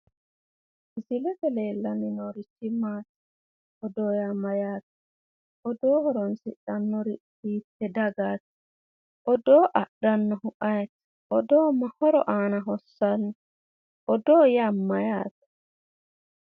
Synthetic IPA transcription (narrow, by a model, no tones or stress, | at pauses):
zilɛtɛlɛlaninɔɾit͡ʃimatḁ | ɔdɔjamajaːt̚ḁ | ʔɔdɔhɔɾɔnsiɗanːɔɾi | iːtːɛdaɡatḁ | ʔɔdɔːʔaɗanːɔhuʔajtḁ | ʔɔdɔːmahɔɾɔʔanaɦɔsanːɔ | ʔɔdɔjamːajaːtḁ